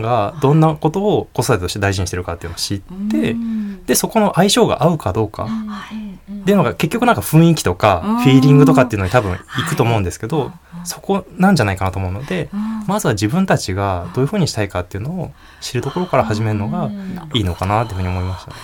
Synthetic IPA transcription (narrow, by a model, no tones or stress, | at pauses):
ɡad̪õ̞nːako̞t̪o̞ːko̞sod̪at̪et̪o̞ɕt̪e̞d̪aiʑiɲ̟iɕit̪eɾɯ̟kat̪ːe̞iɯ̟nooɕit̪ːe̞d̪e̞so̞ko̞no̞ʔaiɕo̞ːɡa̰ʔaɯ̟kad̪o̞ːka̰ | t̪ːe̞jɯ̟noɡake̞kʲːo̞kɯ̟nãŋkaɸɯ̟̃ɰ̃ikʲi̥t̪o̞kaɸʲiːɾʲĩŋɡɯt̪o̞kat̪ːeɯ̟noɲit̪abɯ̟̃ikɯ̟t̪o̞ːmoɯ̟nd̪esɨ̥ke̞d̪o̞ | so̞ko̞nãɲ̟d͡ʑanaikanat̪o̞moɯ̟no̞d̪e̞mazɨβad͡ʑibɯ̟̃nt̪at͡ɕiɡad̪̥o̞ːjɯ̟ɸɯ̟ːɲ̟iɕi̥t̪aikat̪ːe̞iɯ̟no̞ː | ɕiɾɯ̟d̪o̞ko̞ɾo̞kaɾahaʑime̞ɾɯ̟no̞ɡaiːno̞kanat̪ːeɯ̟ɲio̞mo̞imaɕi̥t̪a̰ne